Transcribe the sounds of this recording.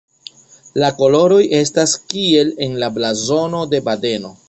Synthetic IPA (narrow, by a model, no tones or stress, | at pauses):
lako̞lo̞ɾo̞je̞staskie̞le̞nlablazo̞no̞de̞bade̞no